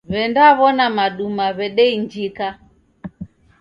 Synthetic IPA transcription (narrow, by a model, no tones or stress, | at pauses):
βɛndaβɔnamaɗumaβɛɗɛiɲd͡ʒika